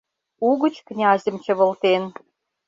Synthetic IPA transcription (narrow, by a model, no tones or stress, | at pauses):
uɣə̆t͡ɕknʲɑzʲə̆mt͡ɕə̆βə̆lt̪en